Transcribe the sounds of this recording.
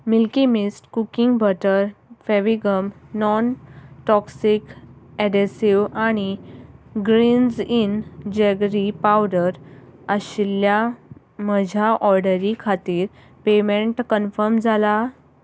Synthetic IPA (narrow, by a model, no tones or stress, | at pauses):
milkimisʈkukiŋɡbʱəʈəɾfeʋiɡəmnɔnʈɔksikɛɖesiʋaɽ̃i | ɡɾind͡zind͡ʑeɡɾipawɽəɾəɕilːja | məd͡ʑʱaʔɔɾɖəɾikʰat̪iːɾ | pemeɳʈkənfəɾmd͡zʱala